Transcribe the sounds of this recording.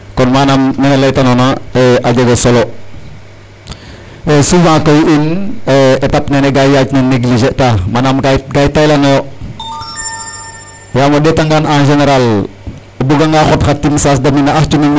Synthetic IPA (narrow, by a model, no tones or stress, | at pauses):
kɔnmanamnenelejtanonaeʔaɟeɡosolo | esufãkojineetapneneɡajjacneneɡlid͡ʒetamanamkaɡajtajlano | jaːmodɛtaŋɡananʒeneɾal | ebuɡaŋɡaːxotxatːimsasdaminaaht͡ʃumin